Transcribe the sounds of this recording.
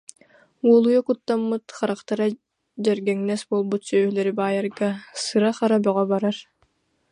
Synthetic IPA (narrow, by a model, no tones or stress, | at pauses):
uɔlˠujakut̪ːamːɯt̪χaɾaqt̪aɾa | d͡ʑɛɾɡɛŋnɛsbuɔlˠbut̪sœːhlɛɾibaːjaɾɡasɯɾaχaɾabœʁɔbaɾaɾ